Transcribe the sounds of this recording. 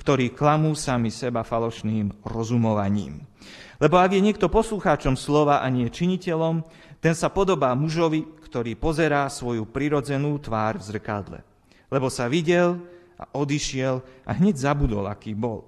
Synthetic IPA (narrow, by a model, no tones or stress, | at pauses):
kt̪ɔɾiːklamuːsamisɛbafalɔʃniːmɾɔzumɔʋaɲḭːm | lɛbɔaɡjɛɲɪɛk̚t̪ɔpɔsluxaːt͡ʃɔmslɔʋaʔaɲɪɛt͡ʃiɲicɛlɔm | t̪ɛnsapɔd̪ɔbaːmuʒɔʋikt̪ɔɾiːpɔzɛɾaːsʋɔjupɾiɾɔd͡zɛnuːt̪ʋaːɾvzr̩kad̪lɛ̰ | lɛbɔsaʋiɟɛl | a̰ʔɔd̪iʃɪɛlʔa̰ɦɲɛɟzabud̪ɔ̰la̰kiːbɔl